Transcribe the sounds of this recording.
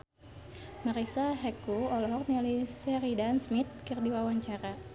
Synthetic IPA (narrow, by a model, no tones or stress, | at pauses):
maɾisaɦɛkuɔlɔɦɔk̚nilisɛɾidansmit̪̚kɨrdiwawaɲt͡ʃaɾa